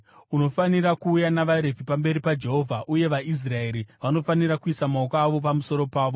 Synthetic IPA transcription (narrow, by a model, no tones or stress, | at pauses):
uno̞fanirakuːjanaʋaɾe̞vʱipambe̞ɾipad͡ʒe̞ɦo̞vʱaʔuje̞ʋais̬rae̞ɾiʋano̞faniɾakuisamaokaːʋo̞pamuso̞ɾo̞paːʋo